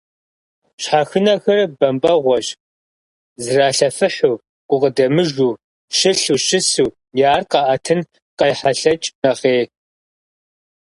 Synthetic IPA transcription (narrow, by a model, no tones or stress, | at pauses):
ɕħaxɨnɐxɐrbɐmpʼɐʁʷɔɕ | zɨraːɬɐfɨħuː | ɡ̥ʷʊqədɐmɨʒuː | ʃɪɬuːʃɪsuː | jaːrqɑʔɐtʰɨn | qɐjħaɬɐt͡ʃʼnɐʁeː